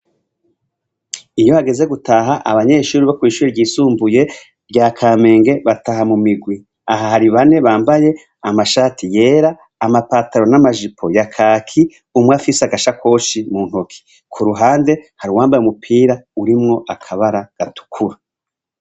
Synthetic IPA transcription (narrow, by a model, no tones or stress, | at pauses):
ijo̞haɡe̞ze̞ɡutaɦaʔaβaɲe̞ːʃuːɾiβakwiːʃuːɾiɾɟiːsuːmbuje̞ | ɾɟaːkʰaːme̞ːŋɡe̞βataɦamumiɡwi | aɦahaɾiβane̞βaːmbaje̞ | amaʃatije̞ːɾaː | mapaːtaɾo̞namaʒipʰo̞jakʰaːkʰi | umwafiseaɡaʃakʰo̞ːʃimuːn̥hokʰi̥ | kʰuɾuɦaːnde̞haɾiwaːmbajumupʰiːɾauɾimŋo̞ʔakʰaβaɾaɡ̥atʰu̥kʰuɾa